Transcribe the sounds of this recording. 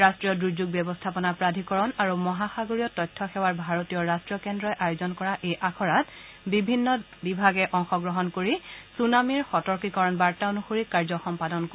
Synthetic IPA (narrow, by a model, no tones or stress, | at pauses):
ɹastɹijɔdɹud͡ʑuɡ̚bjɛbɔstʰapɔnapɹadʱikɔɹɔnaɹumɔɦaxaɡoɹijɔtɔjtʰːɔxɛwaɹbʱaɹotijɔɹastɹiɔkɛndɹɔjʔajʊzɔnkɔɹaʔejʔakʰɔɹat̚ | bibʱinːɔbibʱaɡɛʔɔŋxɔɡɹɔɦɔnkoɹisunamiɹxɔtɔɹkikɔɹɔnbaɹktaonuxoɹikaɹzɔxɔmpadɔnko